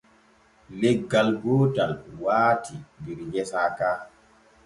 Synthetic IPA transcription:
lɛɡːalɡoːtalwaːtʰibiɾɲɛsakaː

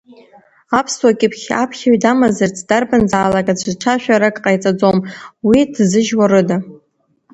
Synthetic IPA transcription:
apʰswakʲʼɪpʰχʲa̰pʰχʲaɥdamazart͡sʰd̥arbɨnd͡zʕalakʼad͡ʒʷʰzʈ͡ʂʰaʃᶣaɾakʼqʼajt͡sʼad͡zomwidzɨʒwaɾɨda

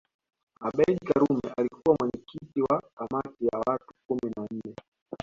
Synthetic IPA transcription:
aɓɛilkaɾumɛalikuwamwɛɲɛkitiwakamatijawatukuminan̩nɛ

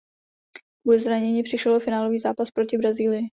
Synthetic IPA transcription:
udzɾaɲɛɲiːpr̝̥ɪʃɛlʔofɪnaːlo̞viːzaːpaspɾo̞cɪbɾaziːlɪjɪ

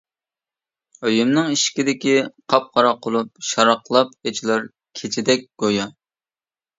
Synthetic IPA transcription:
øjymnɨŋiʃkʲid̪ɪkʲiqʰɑp̚qɑɾɑqʰːolˠup̚ʃɑɾɑqlˠɑpet͡ʃʰilˠɑɾ | kʲʰet͡ʃʰɪd̪ɛk̚ʲɡ̥ojɑ

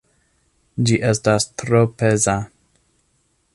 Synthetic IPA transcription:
d͡ʒiʔestastɾopeza

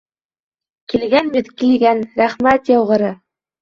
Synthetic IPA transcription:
kilɡænmiðkiliɡænɾæχmæt̪jɑwʁɤ̆ɾɤ

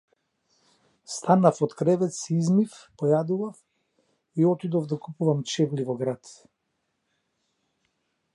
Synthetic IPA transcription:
st̪anafɔt̪kɾɛvɛt̪siizmifpɔjad̪uvaf | iɔt̪id̪ɔvd̪akupuvamt͡ʃɛvlivɔɡɾat̪

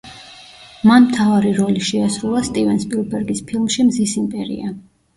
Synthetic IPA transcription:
manmt̪ʰavaɾiɾɔliʃɛasɾulˠast̪ʼivɛnspʼilˠbɛɾɡispʰilˠmʃimzisimpʼɛɾḭa

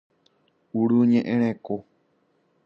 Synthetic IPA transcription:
uɾuɲẽʔẽɾ̃ẽko

